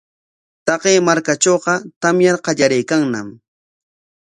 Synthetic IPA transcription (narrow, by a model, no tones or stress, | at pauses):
t̪ɑqeːmaɾkat͡ʃoːqɑt̪amjaɾqɑʎaɾajkaŋnam